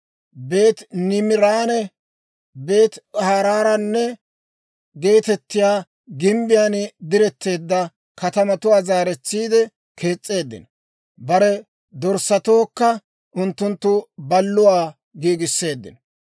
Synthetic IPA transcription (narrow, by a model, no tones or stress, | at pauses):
be̞ːt̪nɪmɪɾaːnɛ | be̞ːt̪haːɾaːɾɐnːɛ | ɡe̞ːt̪ɛt̪ːɪjaː | ɡɪmbɪjaːnd̪ɪɾɛt̪ːe̞ːd̪ːɐ | kɐt̪ɐmɐt̪ʊwaːzaːɾɛt͡sːiːd̪ɛ | kʰe̞ːt͡sʼːe̞ːd̪ːɪ̰n | bɐɾɛ | d̪ɔɾsɐt̪o̞ːkːɐ | ʔʊnt̪ːʊnt̪ːʊbɐlːʊwaː | ɡiːɡɪsːe̞ːd̪ːɪ̰n